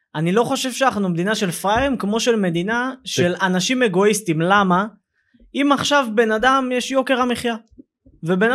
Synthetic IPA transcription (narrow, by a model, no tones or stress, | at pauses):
ʔanilo̞χo̞ʃe̞v̥ʃeanaχnumed̪inaʃe̞lfʁajʁimkmo̞ʃe̞lme̞d̪inaʃe̞lanaʃime̞ɡo̞istimlama | imaχʃavbe̞nadamjeʃjo̞ke̞ʁamiχja | ve̞bena